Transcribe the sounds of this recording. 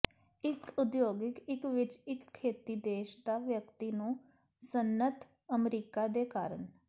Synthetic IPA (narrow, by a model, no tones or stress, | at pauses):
ɪkʊd̪joːɡɪkɪkʋɪt͡ʃɪkʰːeːt̪iːd̪eːʃd̪aːʋjəkt̪iːnũː | sənːət̪ | əmɾiːkaːd̪eːkaːɾən